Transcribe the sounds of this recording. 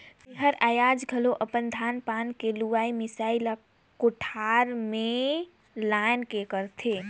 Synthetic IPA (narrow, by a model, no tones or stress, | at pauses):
t̪eɦəɾajad͡ʒɡʱəloʔəpənd̪ʱanpankeluʋaimisaila | koʈʰaɾme | lankekəɾt̪ʰe